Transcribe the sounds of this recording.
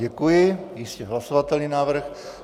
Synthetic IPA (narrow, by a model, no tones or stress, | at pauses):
ɛkujɪjɪscɛɦlasovat̪ɛlɲinaːvr̩x